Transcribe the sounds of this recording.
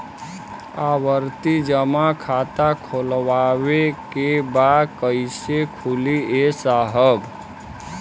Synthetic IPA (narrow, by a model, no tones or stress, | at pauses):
aʋəɾt̪id͡ʒəmakʰat̪akʰolwawekebad̪kəɪsekʰuliesaɦəb